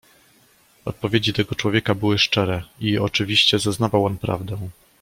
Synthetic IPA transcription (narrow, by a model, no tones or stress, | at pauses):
ɔt̪̚pɔvʲjed͡ʑit̪ɛɡɔt͡ʂwɔvʲjɛkabɘwɘʂt͡ʂɛɾɛiɔt͡ʂɘvʲiɕt͡ɕɛzaznavawɔnpɾa̰vd̪ɛw̃